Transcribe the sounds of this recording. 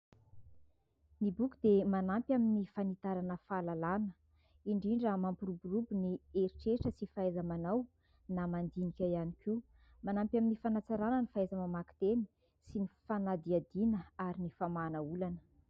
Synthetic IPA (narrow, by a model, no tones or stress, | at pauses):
nibukud̪emanampjaminifanit̪aɾanəfalalanə | iɳɖ͡ʐiɳɖ͡ʐəmampuruburubunieɾiʈ͡ʂeʈ͡ʂəsifaajzamanaw | namand̪inikʲajaniki | manampjaminifanat͡saɾanənifaezamamaki̥t̪eni̥ | sinifanad̪iad̪inəaɾinifamanəulanə